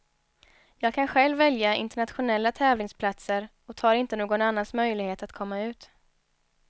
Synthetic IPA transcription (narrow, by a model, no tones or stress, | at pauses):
jɑːɡ̚kʰanɧɛlvːɛljaɪ̰nt̪ɛɳat̪ɧʊnɛlːat̪ʰɛːvlɪŋspʰlat̪səɾ | ɔt̪ʰɑːɾɪnt̪ənoːɡɔnanːansmœjlɪɡheːt̪at̪kʰɔmːaʉ̟ːt̪